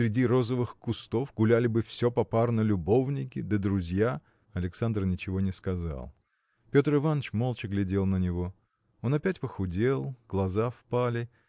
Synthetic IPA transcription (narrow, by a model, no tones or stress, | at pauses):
sʲɾʲɪdʲiɾo̞zəvɨxkʊst̪o̞fɡʊlʲælʲɪbɨfsʲo̞pɐparnəlʲʊbo̞vnʲɪkʲɪd̪əd̪ɾʊzʲja | ɐlʲɪksand̪rnʲɪt͡ɕɪvo̞nʲɪskɐza̰lˠ | pʲo̞t̪rɨvanət͡ɕmo̞lˠt͡ɕɪɡlʲɪdʲe̞lˠnənʲɪvo̞ | o̞nɐpʲætʲpəxʊdʲelˠɡ̥lˠɐzafpalʲɪ